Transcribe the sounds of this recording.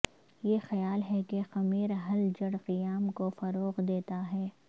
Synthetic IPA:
jexɐjaːlɦɛkexɐmiːɾɦɐld͡ʒɐɽqɪjaːmkofɐɾoːqd̪eːt̪aɦɛː

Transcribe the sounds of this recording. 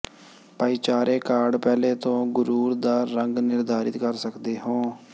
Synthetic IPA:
paːiːt͡ʃaːɾeːkaːɾɖpɛːleːt̪õːɡʊɾuːɾd̪aːɾəŋɡnɪɾd̪ʱaːɾɪt̪kəɾsəkd̪eːɦõː

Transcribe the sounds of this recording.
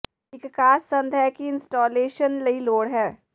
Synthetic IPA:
ɪkːkaːsːə̃nd̪ʱɛkiɪnsʈɔːleːʃənlɐiloːɽɦɛː

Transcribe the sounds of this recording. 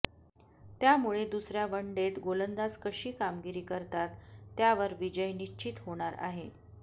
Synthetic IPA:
t̪jamuɭed̪usɾjaʋəɳɖet̪ɡolənd̪at͡skəɕiːkamɡiɾiːkəɾt̪at̪ːjaʋəɾʋid͡ʑəjnit͡ɕit̪ɦoɽ̃aɾa̰ɦe

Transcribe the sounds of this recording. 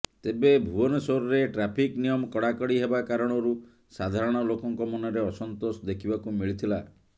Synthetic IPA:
t̪ebebʱuɔnɔsoɾɔɾeʈɾapʰiknijɔmɔkɔɽakɔɽiɦebakaɾɔɽ̃ɔɾu | sad̪ʱaɾɔɽ̃ɔlokɔŋkɔmɔnɔɾeɔsɔnt̪osɔd̪ekʰibakumiɭit̪ʰila

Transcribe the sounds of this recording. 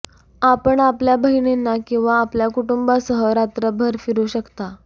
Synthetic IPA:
apəɳapljabəɦiɳenːakĩw̃ʋaːpljakuʈumbasəɦəɾat̪ɾəbʱəɾfiɾuɕəkt̪a

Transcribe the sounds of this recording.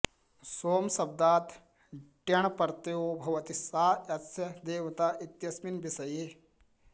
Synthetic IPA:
soːmsɐb̚d̪aːt̪ | ʈjɐɳ̃pɐɾt̪eoːbʱɐʋɐt̪isaːɐt̪sjɐd̪eːʋt̪aːʔit̪jɐsminbisɐjeː

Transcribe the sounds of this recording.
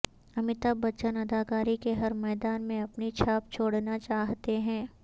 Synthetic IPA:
ɐmɪt̪abɐt͡ʃənɐd̪aːkaːɾikeɦɐɾmɛːd̪aːnmẽɐpnit͡ʃʰaːp̚t͡ʃʰoːɽnat͡ʃaːɦt̪eɦɛ̃ː

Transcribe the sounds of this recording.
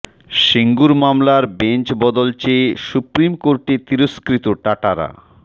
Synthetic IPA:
ʃiŋɡuɾmamlaɾbent͡ɕbɔd̪olt͡ɕeʃupɾimkoɾʈet̪iɾoskɾit̪oʈaʈaɾa̰

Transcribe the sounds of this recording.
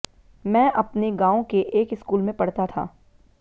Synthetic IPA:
mɛ̃ːʔɐpneɡaːõkeʔeːkɪskuːlmẽpɐɽt̪at̪ʰa̰ː

